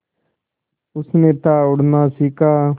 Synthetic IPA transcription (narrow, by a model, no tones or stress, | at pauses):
ʊsnẽːt̪aːʊɽnaːsiːkaː